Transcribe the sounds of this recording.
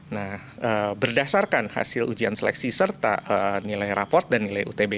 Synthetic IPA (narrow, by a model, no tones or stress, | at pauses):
nah | əːbərdasarkanha̰sɪlud͡ʒiansəlɛ̰ksisərt̪a̰ənilajrapɔrt̪̚danːilajṵt̪ebe